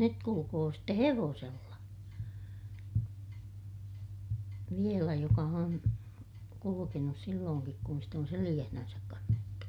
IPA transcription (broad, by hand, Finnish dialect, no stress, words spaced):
nyt kulukoː ste heʋoːselːɑ ʋielæ jokɑ on kulukenus silːoːŋkik kun sit on selij̆æhnænsæk kɑnːetːu